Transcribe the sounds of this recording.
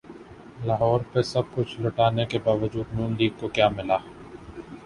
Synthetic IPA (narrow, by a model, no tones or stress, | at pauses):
laːɦɔːɾpesɐb̚kʊt͡ʃʰlʊʈaːnekebaːʋəd͡ʒuːd̪nuːnliːɡ̚kokjaːmɪlaː